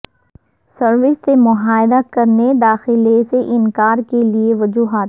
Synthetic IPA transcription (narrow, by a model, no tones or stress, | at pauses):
sɐɾʋɪsːemʊɦaːɪd̪akɐɾned̪aːxɪleseʔɪnkaːɾkelieʋɐd͡ʒuːɦaːt̪